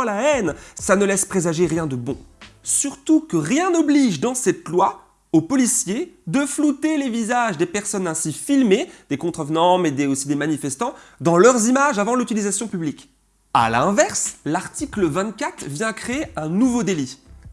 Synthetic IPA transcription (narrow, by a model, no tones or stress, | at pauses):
laɛnsanəlɛspχezaʒeʁjɛ̃d̪əbɔ̰̃syʁt̪ukəʁjɛ̃nɔbliʒd̪ɑ̃sɛt̪lwa | opɔlisjed̪əflut̪elevizaʒd̪epɛʁsɔnɛ̃sifilmed̪̥ekɔ̃t̪χəvnɑ̃med̪eosid̪emanifɛst̪ɑ̃d̪ɑ̃lœʁzimaʒavɑ̃lyt̪ilizasjɔ̃pyblik | a̰lɛ̃vɛʁslaʁt̪ikləvɛ̃t̪kat̪χvjɛ̃kχeeɛ̃nuvod̪eli